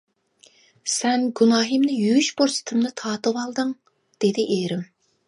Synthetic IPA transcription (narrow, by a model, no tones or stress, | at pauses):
sɛnɡunɑːɦɨmnɨjyjyʃboɾsɨ̥t̪ʰɨmnɨt̪ʰɑːt̪ɨwɑlˠd̪ɨŋ | d̪̥ed̪ɪʔeɾɪm